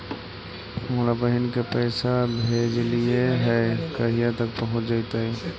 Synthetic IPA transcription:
molabəɦɪnkepəɪsabʱed͡ʒlijeɦɛkəɦijat̪əkpəɦʊt͡ʃd͡ʒaɪt̪ai

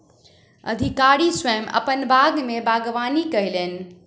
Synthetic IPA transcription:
ə̰d̪ʱikaɾiswɛmə̰pənbʱaɡmebʱaɡʋanikəjlen̆

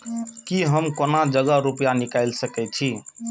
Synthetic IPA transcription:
kiɦəmkonad͡ʒəɡəɾupjanikajlsəkɛt͡ʃʰi

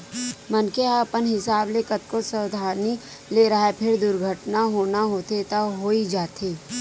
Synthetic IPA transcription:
mənkeapənɦɪsaːblekət̪̚kosəwd̪ʱaːni | leːɾɐɦepʰɪɾd̪ʊɾɡʱəʈnaɦoːnaɦoːt̪et̪aɦoːid͡ʒaːt̪ʰeː

